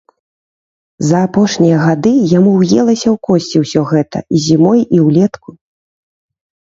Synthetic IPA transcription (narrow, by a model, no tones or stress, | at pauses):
zɐːpɔʂnʲijɐɣad̪ɨjamuwjɛlˠɐsʲɐwkɔsʲt͡sʲɛwsʲɔɣɛt̪ɐ̰izʲimɔjiwlʲɛt̪ku